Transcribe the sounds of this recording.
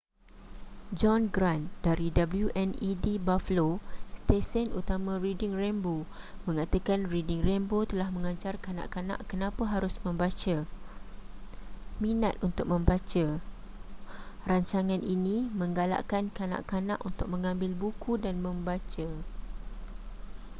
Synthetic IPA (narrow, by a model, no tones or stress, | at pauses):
d͡ʒɔnɡɾandaɾidabəljuʔɛnidibafəlost̪esənut̪amãridɪŋrɛmbo | mə̃ŋat̪akanridɪŋrɛmbot̪əlahmə̃ŋãɲt͡ʃarkanã̰ʔkana̰ʔkənãpəɦaɾʊsmə̃mbat͡ʃa | mĩnat̪̚unt̪ʊk̚mə̃mbat͡ʃa | raɲt͡ʃaŋãninĩmə̃ŋɡala̰ʔkankana̰ʔkanã̰ʔunt̪ʊk̚mə̃ŋãmbɪlbukʰudanmə̃mbat͡ʃa